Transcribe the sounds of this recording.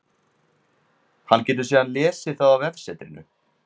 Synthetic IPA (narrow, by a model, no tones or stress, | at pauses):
hanːcɛːt̪̬ʏɾsiːðanlɛːsɪθawavɛfsɛt̪ɾɪnːʏ̰